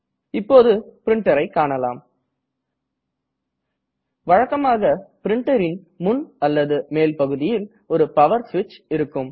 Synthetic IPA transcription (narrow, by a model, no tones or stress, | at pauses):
ɪpːoːðɯpɪɾɪɳʈɐɾɐɪkːaːɳɐla̰ːm | ʋɐɻɐkːɐmaːɣɐpɪɾɪɳʈɐɾɪn | mʊnɐlːɐðɯmeːlpɐɣɯðɪjɪl | ɔɾɯpɐʋɐɾsʋɪt͡ʃɪɾɯkːɯm